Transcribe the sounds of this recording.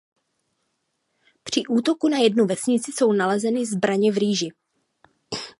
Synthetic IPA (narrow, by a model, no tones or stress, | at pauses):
pr̝̥ɪʔuːt̪o̞kunajɛdnuvɛsɲɪt͡sɪso̞wnalɛzɛnɪzbɾaɲɛvɾiːʒɪ